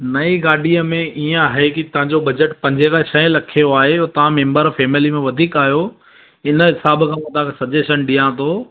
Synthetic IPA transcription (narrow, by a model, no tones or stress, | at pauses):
nɐiɡaːɖʱiəmẽʔiːə̃aːɦekit̪ɐʋ̤ãɲd͡ʑobɐd͡ʑəʈpɐ̃ɲd͡ʑʱekʰãʃɐ̃ɪ̃lɐkʰijoaːɦet̪ɐʋ̤ãmẽːmbəɾfeːmɪlimẽʋɐd̪ʱiːkaːɦijo | ɪnə̆ɦɪsaːbkʰãːʋɐd̪aːksɐd͡ʑeːʃənɗijãt̪ʰo